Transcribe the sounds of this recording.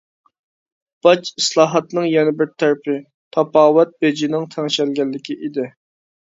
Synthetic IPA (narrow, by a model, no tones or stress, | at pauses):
b̥ɑt͡ʃislˠɑːɦɑt̪nɨŋjɛnɪbɪɾt̪ʰæɾɪpʰɪ | t̪ʰɑpɑːwɛt̪̚bed͡ʒinɪŋt̪ʰæŋʃɛlɡʲɛlːɪkʲiʔid̪ɪ